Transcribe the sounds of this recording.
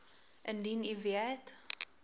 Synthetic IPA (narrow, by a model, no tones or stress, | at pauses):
ʔəndiniviət